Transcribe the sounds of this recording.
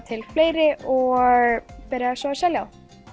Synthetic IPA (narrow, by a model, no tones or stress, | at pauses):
t̪ʰɪlfleːjɾɪʔɔɣpɛɾjasvasɛljaw